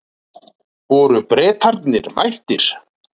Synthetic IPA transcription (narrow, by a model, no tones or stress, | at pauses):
vɔːɾʏpɾɛːt̪haɾt̪nɪɾmajht̪ɪɾ̥